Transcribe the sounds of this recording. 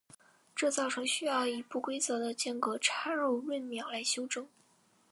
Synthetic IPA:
ʈ͡ʂɤ˥˧t͡sɑ˥˩ʊʈ͡ʂʰɤ˧˥ŋɕy˥jɑ˥˩ʊi˧˩pu˥˩kwe˥ɪt͡sɤ˧˥d̪ə˧t͡ɕjɛ˥˩nkɤ˧˥ʈ͡ʂʰa˥ɻo˥˧ʊɻwə˥˩nmjɑ˧˥ʊla˧˥ɪɕjo˥ʊʈ͡ʂɤ˥ŋ

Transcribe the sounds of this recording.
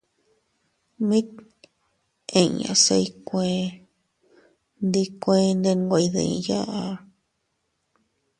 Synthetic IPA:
mĩ˦t̪̚ | ẽ˧˨ɲã̰˨se˧i˧kʷẽ˧ | nd̪i˧kʷẽ˧nd̪e˧n˧ɡʷa˧˨i˧ðḛ˧˨ḭ̃˧ja˦ʔa˧

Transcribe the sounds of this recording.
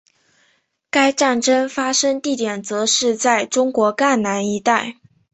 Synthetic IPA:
ka˥ɪʈ͡ʂa˥˩nʈ͡ʂə˥ŋfa˥ʂɤ˥ŋt̪i˥˩t̪jɛ˨˩nt͡sɤ˧˥ʂɻ̩˥˧t͡sa˥˩ɪʈ͡ʂʊ˥ŋkwɔ˧˥ka˥˩nna˧˥ni˧˥˧t̪a˥˩ɪ

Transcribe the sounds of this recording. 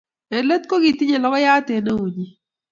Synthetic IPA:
e˨lə˦t̪̚ko˦ɡi˨ti˦ɲe˨lɔ˦ɡɔ˦ja˦te˨ne˦wu˨ɲi˨

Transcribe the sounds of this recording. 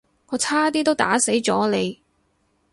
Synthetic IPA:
kʰɔ˨˧˥t͡sʰaː˥t̪iː˥t̪o˥wt̪a̰ː˨˥se˨˥jt͡ʃt͡sɔː˨˥le˨˧j

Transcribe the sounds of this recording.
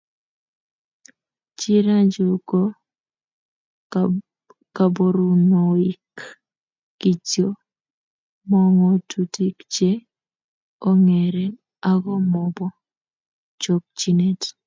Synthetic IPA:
t͡ʃi˦ɾa˦d͡ʒo˨kɔ˦ | ka˨bo˨ɾu˨nɔ˨i˦kː | i˨t͡ʃo˦ | mɔ˦ŋɔ˨tʰu˨ti˦kt͡ʃe˦ | o˦ŋɛ˨ɾɛ˨ | a˦ɡɔ˦mɔ˨bɔ˦ | t͡ʃo˨k̚t͡ʃi˦ne˦t

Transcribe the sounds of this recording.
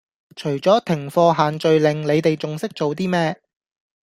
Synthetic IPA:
t͡ʃʰɵ˨˩ɥt͡sɔː˨˥t̪ʰɪ˨˩ŋfɔː˧ɦaː˨nt͡ʃɵ˨ɥlɪ˨ŋle˨˧jt̪e˨jt͡sʊ˨ŋsɪ˥k̚t͡so˨wt̪̬iː˥mɛː˥

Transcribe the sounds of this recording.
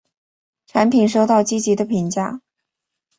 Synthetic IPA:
ʈ͡ʂʰa˧˥npʰi˨˩nʂo˥˧ʊt̪ɑ˥˩ʊt͡ɕi˥t͡ɕi˧˥d̪ə˧pʰi˧˥ŋt͡ɕja˥˩

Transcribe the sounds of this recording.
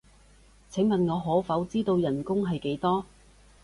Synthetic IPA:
t͡sʰɪ˨˥ŋmɐ˨nŋɔː˨˧ɦɔː˨˥fɐ˨˥wt͡siː˥t̪o˧wjɐ˨˩nkʊ˥ŋɦɐ˨jke˨˥jt̪ɔː˥

